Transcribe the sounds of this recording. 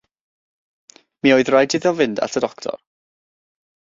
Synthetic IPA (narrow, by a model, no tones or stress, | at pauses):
miːoːɨðrajdʰɪðɔvɪnda̰tʰədɔktʰɔ̰r